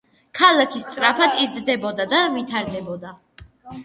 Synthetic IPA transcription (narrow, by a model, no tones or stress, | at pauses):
kʰalˠakʰist̪sʼɾapʰat̪ʰizd̪d̪ɛbɔd̪ad̪avit̪ʰaɾd̪ɛbɔd̪a